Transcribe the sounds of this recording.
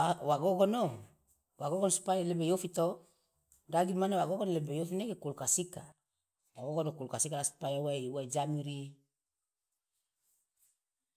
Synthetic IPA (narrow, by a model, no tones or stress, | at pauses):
waɡokɔno | waɡokɔnosu̥pajalebejofit̪o | daɡimanawaɡokɔnlebejofinekekulkasika | waɡoɡonokulkasikalasu̥pajawajuwad͡ʒamiɾi